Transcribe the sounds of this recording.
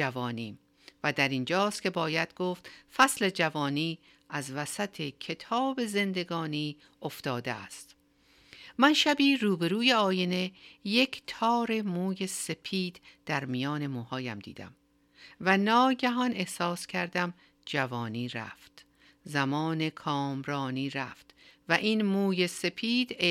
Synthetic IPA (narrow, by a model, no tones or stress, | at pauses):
ævɒːniːm | væd̪æɾind͡ʒɒːst̪kʲʰe̞bɒːjæd̪̥ɡoːft̪fæsle̞d͡ʒævɒːniː | æzvæsæt̪ʰe̞cʰe̞t̪ʰɒːbe̞ze̞nd̪e̞ɡɒːniː | oft̪ɒːd̪eæ̰st̪ | mænʃæbiːɾuːbe̞ɾuːje̞ɒːjene̞jecʰt̪ʰɒːɾe̞muːjese̞pʰiːd̪̥d̪̥æɾmijɒːne̞muːhɒːjæmd̪ḭːd̪æ̰m | vænɒːɟæɦɒne̞hsɒːscʰæɾd̪æm | d͡ʒævɒːniːɾæ̰ft̪ | zæmɒːne̞kʰɒːmɾɒːniːɾæft̪væʔinmuːje̞se̞pʰiːd̪̥